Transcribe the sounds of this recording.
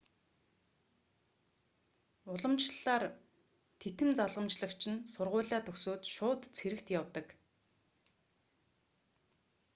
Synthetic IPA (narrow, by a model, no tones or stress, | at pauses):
ʊɮə̆mt͡ɕɮaːr | t̪ʰet̪ɘ̆mt͡saɮʁə̆mt͡ɕɮə̆kt͡ɕʰɪ̆nsʊrʁʊːɮaːt̪ʰɵksoːt̪ʃʊːt̪t͡sʰxeɾɘ̆kt̪jawt̪ə̆k